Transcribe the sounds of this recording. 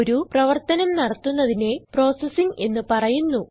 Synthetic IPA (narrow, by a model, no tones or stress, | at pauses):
oɾuprɐʋɐrt̪ɐnɐmnɐɽɐt̪ːunːɐðine̞pro̞ːsɐsiŋɡe̞nːɨpɐrɐjunːu